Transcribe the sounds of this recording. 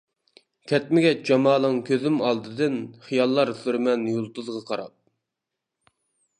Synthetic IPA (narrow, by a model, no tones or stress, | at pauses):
kʲʰɛt̪mɪɡʲɛt͡ʃd͡ʒɑmɑːlˠəŋkʲʰøzɪmɑlˠd̪ɨd̪ɨnχijɑlˠːɑɾsyɾmɛnjulˠt̪ɨzʁɑqʰɑɾɑ̰p̚